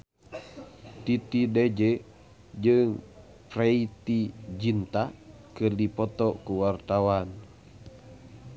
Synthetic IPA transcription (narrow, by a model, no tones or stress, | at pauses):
t̪it̪idɛd͡ʒɛ | d͡ʒɨŋ | pɾɛit̪id͡ʒint̪akɨrdipɔt̪ɔkuwart̪awan